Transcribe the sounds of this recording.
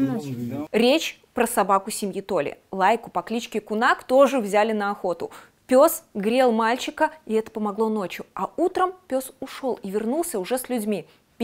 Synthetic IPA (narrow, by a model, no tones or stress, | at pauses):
ɾʲet͡ɕ | pɾəsɐbakʊsʲɪmʲjit̪o̞lʲɪ̰lˠajkʊpɐklʲit͡ɕkʲɪkʊnakt̪o̞ʐɨvzʲælʲɪnəɐxo̞t̪ʊ̰ | pʲo̞sɡɾʲe̞lˠmalʲt͡ɕɪkəɪɛt̪ə̥pəmɐɡlˠono̞t͡ɕjʊɐut̪ɾəmpʲo̞sʊʂo̞lˠivʲɪrnulˠsʲəʊʐɛsʲlʲʊdʲmʲi